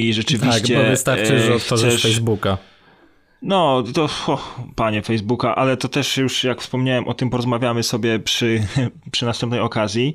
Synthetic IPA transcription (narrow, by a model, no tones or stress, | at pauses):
iʐɛt͡ʂɘvɕkt͡ɕɛɔvɨst̪aɾt͡ʂɛɔt̪fɔsʒɛfɛjzbuka | nɔt̪ɔxɔxpaɲɛfɛjzbukaʔalɛt̪ɔt̪ɛʂjuʂjakfspɔmɲawɛmʔɔt̪ɘmpɔɾɔzmavʲjamɘsɔbʲjɛpʂɘpʂɨnast̪ɛmp̚nɛjɔkazʲji